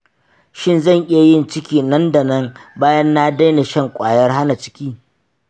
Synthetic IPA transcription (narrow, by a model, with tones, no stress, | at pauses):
ʃɪ˦˨nzɐ˦˨ɲʔɪ˦ja˨jɪ˦˨nt͡ʃɪ˦kʲiː˨nɐ˦nda˨nɐ˦ŋbaː˦jɐ˦nːaː˦da˦jna˨ʃɐ˦ŋkʷʼaː˨jɐ˦rɦa˦na˨t͡ʃɪ̥˦kʲiː˦